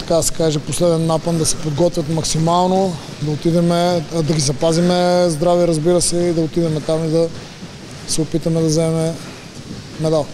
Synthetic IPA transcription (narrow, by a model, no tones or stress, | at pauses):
t̪ɐ̥kad̪ɐsɛ̥kaʒɛposlɛd̪ɛnːapənd̪ɐsɛ̥pod̪ɡɔt̪vʲɐt̪mɐksimalˠno | d̪ɐot̪id̪ɛmɛd̪ɐɡizɐpazimɛzd̪ɾaviɾɐzbiɾəsɛid̪ɐot̪id̪ɛmɛt̪amid̪ɐ | sɛopit̪ɐmɛd̪ɐzɛɛmɛ | mɛd̪alˠ